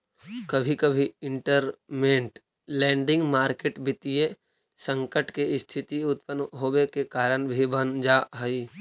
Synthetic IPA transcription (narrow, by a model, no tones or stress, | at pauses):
kɐbʱikəbʱiɪ̃ɳʈəɾmẽːɳʈ | lɛ̃ːɳɖɪ̃ŋɡmaːɾkeːʈbɪt̪ije | sə̃ŋkəʈkeɪst̪ʰɪt̪iʊt̪̚pənɦoːwekekaːɾəɳbʱibənd͡ʒaɦəiː